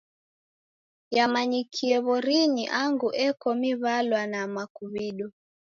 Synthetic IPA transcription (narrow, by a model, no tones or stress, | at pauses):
jamaɲikʰiɛβɔɾiɲiʔaŋɡuʔɛkɔmiβalwanamakuβiɗɔ